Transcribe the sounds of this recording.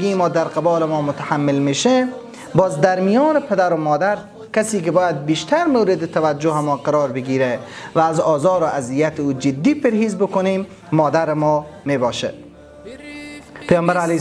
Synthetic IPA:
ɡimɔːd̪aɾqɪbɒːlɪmɔːmʊt̪aħamːɪlmeːʃe | bɒːzd̪aɾmijɔːnɪpʰed̪aɾʊmɔːd̪aɾ | kasiːk̬ɪbɔːjad̪̚biʃt̪ʰaɾmowɾɪd̪ɪt̪ʰavad͡ʒːʊɦɪmɔːqaɾɔːɾbɪɡiːɾevæːzɒːzɒːɾoʔazijat̪ɪuːd͡ʒɪd̪ːiːpeɾhiːzbʊkʊneːmː | ɔːd̪aɾɪmɔːmeːbɒːʃḛ | pejɒːmbaɾale

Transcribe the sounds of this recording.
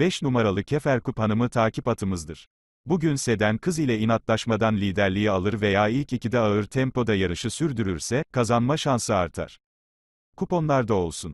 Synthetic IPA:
b̥ɛʃnumaɾalˠɯcʰefæɾkuphanɯmɯt̪ʰaːcʰipat̪ʰɯmɯzd̪ɯɾ̥ | buɟynse̞d̪ænkʰɯzilʲɛinat̪lˠaʃmad̪anlʲiːd̪æɾlʲijialˠɯɾve̞jaːilʲcicid̪ɛaɯɾt̪ʰɛmplo̞d̪ajaɾɯʃɯsyɾd̪yɾyɾsɛkʰazanmaʃansɯaɾt̪ʰa̰ɾ̥ | kʰupo̞nlˠaɾd̪ao̞lˠsun

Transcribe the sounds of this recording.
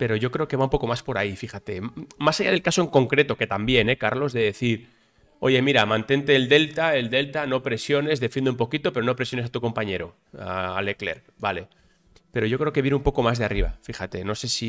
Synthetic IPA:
pe̞ɾo̞ʝo̞kɾe̞okeβaumpo̞ko̞maspo̞ɾaifixat̪e̞masaʝað̞e̞lkaso̞e̞ŋko̞ŋkɾe̞t̪o̞ke̞t̪ambje̞ne̞kaɾlo̞zðe̞ðe̞θiɾ | o̞̰ʝe̞miɾamãnt̪e̞nt̪e̞ːld̪e̞lt̪aeld̪e̞lt̪ano̞pɾe̞sjo̞ne̞zðe̞fjend̪ump̬o̞kit̪o̞pe̞ɾo̞no̞pɾesjo̞nesat̪uko̞mpaɲe̞ɾo̞̰ | aale̞kle̞̰ɾ | bale̞ | pe̞ɾo̞ʝo̞kɾe̞oke̞βjeneumpo̞ko̞mazðeariβ̞a̰fixat̪e̞no̞se̞si

